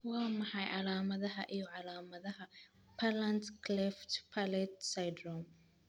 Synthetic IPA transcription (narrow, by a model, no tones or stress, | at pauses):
wamɐhajʔalaːmɐðɐɦaʔɪjɔʕalaːmɐðɐha | pʰalantklɛftpʰalɛtsajdɾɔm